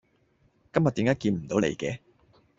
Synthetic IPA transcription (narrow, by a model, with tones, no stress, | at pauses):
kɐ˥mjɐ˨t̪̚i˨˥mkaː˨˥jkiː˧nm̩˨˩t̪o˨˥wlḛ˨jkɛː˧